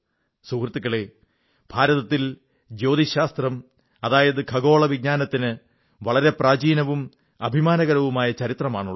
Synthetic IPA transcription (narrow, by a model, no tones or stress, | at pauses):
sukrɨt̪ːikːɐɭe | b̥ʱaːɾɐðɐt̪ːil | d͡ʑo̞ːd̪iɕaːst̪rɐm | ɐðaːjɐðɨkʰɐɡo̞ːɭɐʋiɡ̚ɲaːnɐt̪ːinɨ | ʋɐɭɐɾe̞praːd͡ʑiːnɐʋum | ɐbʱimaːnɐɣɐɾɐʋumaːjɐt͡ɕɐɾit̪rɐmaːɳuɭː